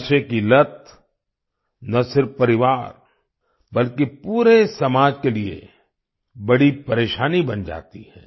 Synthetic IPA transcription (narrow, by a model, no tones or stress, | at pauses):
ʃekilɐt̪̚ʰ | nɐsɪɾfːɐɾɪʋaːɾ | bɐlkipuːɾesɐmaːd͡ʒkeliḛ | bɐɽipɐɾeːʃaːnibɐnd͡ʒa̰ːt̪ḭhɛ̰̃ː